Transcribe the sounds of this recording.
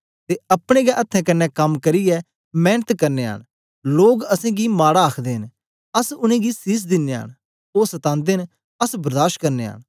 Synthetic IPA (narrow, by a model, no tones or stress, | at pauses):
t̪eɐpɽ̃eɡɛʔɐt̪ʰːɛ̃kɐnːɛkɐmkɐɾijɛ | mɛ̃ːnət̪kɐɾneːə̰ɳ̃ | loːɡɐsɛ̃ɡimaːɽaaːkʰd̪eːɦɪn | əsʊnẽːɡisɪs̬d̪ɪnːeə̰ñ | oːsɐt̪ãːnd̪en | əsbɐɾd̪aːʃkɐɾnḛːɦə̰ɳ